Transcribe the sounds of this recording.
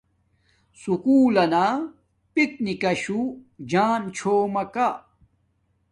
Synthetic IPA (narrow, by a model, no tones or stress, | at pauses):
sukuːlɐna | pik̚nikɐɕud͡ʑaːnt͡ɕʰoːmɐka